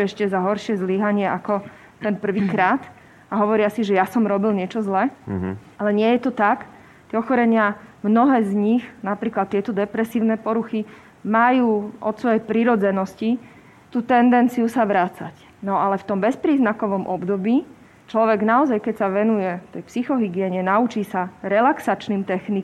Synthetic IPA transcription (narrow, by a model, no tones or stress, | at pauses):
ɛʃcɛzaɦɔɾʃɪɛzliːɦaɲɪɛʔakɔ | t̪ɛnpr̩ʋiːkɾaːt̪ | aɦɔʋɔɾɪasiʒɛjasɔmɾɔbilɲɪɛt͡ʃɔzlɛʔalɛɲɪɛjɛt̪ɔt̪ak | t̪ɪɛɔxɔɾɛɲɪamnɔɦɛːzɲixnapɾiːklat̪ːɪɛt̪ɔd̪ɛpɾɛsiːʊnɛpɔɾuxi | majuːʔɔt̪sʋɔjɛjpɾiɾɔd͡zɛnɔsci | t̪uːt̪ɛnd̪ɛnt͡sijusaʋɾat͡sa̰c | nɔalɛft̪ɔmbɛspɾiːznakɔʋɔmʔɔbd̪ɔbiː | t͡ʃlɔʋɛɡnaɔzajkɛcsaʋɛnujɛft̪ɛjpsixɔɦiɡɪɛɲɛnaut͡ʃiːsaɾɛlaksat͡ʃniːmt̪ɛxni